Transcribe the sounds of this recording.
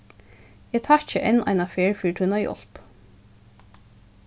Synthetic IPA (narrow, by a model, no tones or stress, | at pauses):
eːt̪ʰɑːçəʔɛnʔɑ̰ɪnɑfeːɹfiːʈʰʉnɑjʔɔ̰l̥p